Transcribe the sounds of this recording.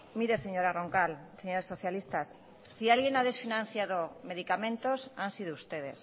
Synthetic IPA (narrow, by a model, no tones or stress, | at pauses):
miɾeseɲoɾaroŋkalseɲoɾesoθjalist̪asː | ialɣenaðesfinãn̟θjaðomeðikamẽnt̪osansiðoust̪eð̞es